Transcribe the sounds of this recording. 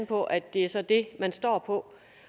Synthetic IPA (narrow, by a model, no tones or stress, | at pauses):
n̩pʰɒ̽ʔædd̥e̝æɐsɒ̽d̥e̝mænsd̥ɒ̰ːpʰɒ̽